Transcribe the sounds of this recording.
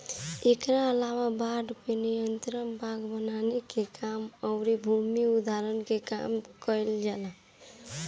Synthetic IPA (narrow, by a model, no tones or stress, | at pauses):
ekɾaəlawabaɖpinijənt̪ɾənbʱaɡbənanekekʰaməʊɾibʱumiud̪ʱaɾənkeka̰mkəjld͡ʒalə